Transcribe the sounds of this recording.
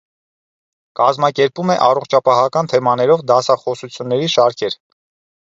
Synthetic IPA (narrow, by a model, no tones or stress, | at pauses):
kɑzmɑkɛɾpumɛʔɑrɔχt͡ʃʰɑpɑɦɑkɑnt̪ʰɛmɑnɛɾɔvd̪ɑsɑχɔsut͡sʰjunːɛɾiʃɑɾkʰɛɾ